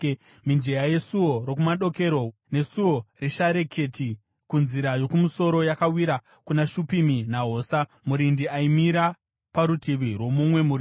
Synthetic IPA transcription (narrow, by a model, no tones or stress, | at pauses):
mind͡ʒejaje̞suwo̞ɾokumaɗo̞ke̞ɾo̞ne̞suo̞reʃaɾe̞kʰe̞ti | kunziɾajo̞kumuso̞ɾo̞jakawiɾa | kunaʃupiminaɦo̞ːsa | muɾindiaimiɾa | paɾutiʋirwo̞mumwe̞muɾi